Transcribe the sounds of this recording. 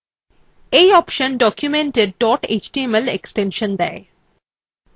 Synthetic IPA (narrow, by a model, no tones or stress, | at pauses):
eɔːpʃə̃nɖɔkjumẽɳʈeɖ̚ɖɔːʈḛːt͡ʃʈieməlḛksʈẽnʃə̃nd̪ɛ